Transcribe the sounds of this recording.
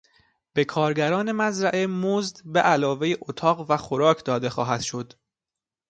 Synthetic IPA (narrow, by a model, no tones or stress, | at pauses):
b̥e̞kʰɒːɾɟæɾɒːne̞mæzɾæʔemozd̪beʔælɒːvejeʔot̪ʰɒːɣvæxo̞ɾɒːcʰd̪ɒːd̪e̞xɒːɦæd̪̥ʃo̞d̪̥